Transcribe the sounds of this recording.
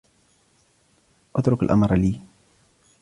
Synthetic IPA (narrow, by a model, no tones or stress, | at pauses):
ʔat̪ɾʊkalʔa̰mɾˤliː